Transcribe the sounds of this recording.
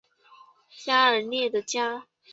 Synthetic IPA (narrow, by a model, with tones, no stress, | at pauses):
ɕja˥ə˨˧˥njɛ˥˩d̪ə˩t͡ɕja˥